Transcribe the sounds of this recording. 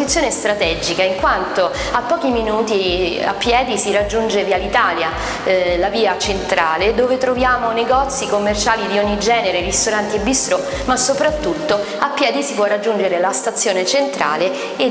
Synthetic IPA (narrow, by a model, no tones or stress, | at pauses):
it̪sːjoːnest̪ɾat̪ɛd͡ʒikaiŋkwant̪o | apːɔːk̟iminuːt̪ia̰pːjɛːd̪isirad͡ʒːund͡ʒevialit̪aːlja | laviːat͡ʃent̪ɾaːled̪oːvet̪ɾovjaːmoneɡɔt̪sːikomːert͡ʃaːlid̪ioɲːid͡ʒɛːneɾeɾist̪oɾant̪iebist̪ɾo | masːopɾat̪ːut̪ːo | apːjɛːd̪isipwɔrːad͡ʒːund͡ʒeɾelast̪at̪sːjoːnet͡ʃent̪ɾa̰ːle | e